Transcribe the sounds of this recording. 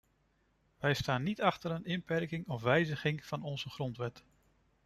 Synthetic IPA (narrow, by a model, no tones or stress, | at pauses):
ʋɛjstaːnːitɑχtəɾənɪnpɛɹkɪŋɔfʋɛjzəχɪŋv̥ɑnɔnzəχrɔntʋɛt